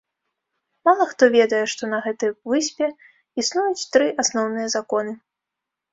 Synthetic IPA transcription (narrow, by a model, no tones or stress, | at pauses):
malˠɐxt̪ɔvʲɛd̪ɐjɛʂt̪ɔnɐɣɛt̪ɨjvɨsʲpʲɛ | isnujut͡sʲt̪ɾɨʔasnɔwnɨjɐzakɔnɨ